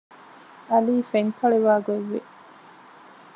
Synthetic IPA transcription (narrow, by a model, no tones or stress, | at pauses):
ɐliːfeŋkʰɐɭeʋaːɡoʋːḛ